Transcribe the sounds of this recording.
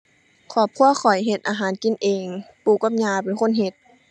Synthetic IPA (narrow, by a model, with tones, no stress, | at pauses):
kʰɔː˧˩˦p̚kʰu˧˥˨ɐkʰɔ˨˩jɦe˧˦t̪̚ʔaː˧ɦaː˨˦nki˧˨nʔeː˨ŋpuː˧˩ka˧˥m̚ɲaː˧˩pe˨nkʰo˧˥˨nɦe˧˦t̪̚